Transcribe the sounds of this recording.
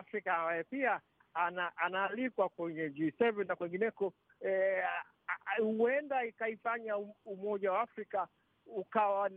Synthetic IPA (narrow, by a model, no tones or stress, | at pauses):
afɾikaambajɛpia | anaʔanaːlikwakwɛɲɛd͡ʒisɛvɛnːakwɛŋɡinɛkɔ | huɛndaikaifaɲaumɔʄawaafɾika | ukawan